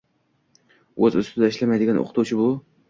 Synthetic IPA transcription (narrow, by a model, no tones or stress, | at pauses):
ɵzʊst̪ʰɪd̪aɪʃlamajd̪ɪɡʲanʔo̰qʰɨt̪ʰuwt͡ʃʰɪbʊ